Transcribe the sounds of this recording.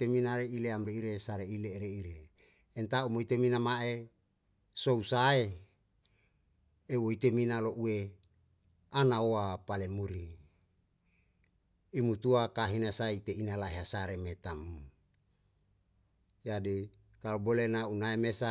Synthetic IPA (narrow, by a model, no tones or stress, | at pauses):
eminaɾeileamɾeiɾesaɾeileːɾeiɾeː | nt̪aumoit̪eminamaʔe | sousae | woit̪eminaloʔue | anaoapalemuɾi | imut̪uakaɦinasait̪einalaɦeasaɾemet̪amu | jadi | kalobolenaunaemesa